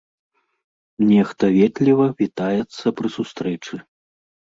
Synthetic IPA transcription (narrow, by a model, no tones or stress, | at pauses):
nʲɛxt̪ɐvʲɛt̪ʲlʲivɐvʲit̪ajɛt̪sːɐpɾɨsust̪ɾɛt͡ʂɨ